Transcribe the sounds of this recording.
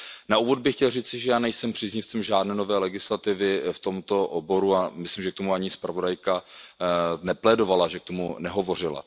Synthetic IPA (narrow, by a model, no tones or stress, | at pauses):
nauːvo̞d̪̚bɪxcɛlriːt͡sɪʒɛjaːnɛjsɛmpr̥iːzɲɪft͡sɛmʒaːdnɛːnovɛːlɛɡɪslat̪ɪvɪft̪o̞mt̪o̞ʔobo̞ɾuamɪslimʒɛk̚t̪o̞muaɲɪspɾavo̞dajka | nɛplɛdo̞valaʒɛk̚t̪o̞mṵnɛɦo̞vo̞r̝ɪla̰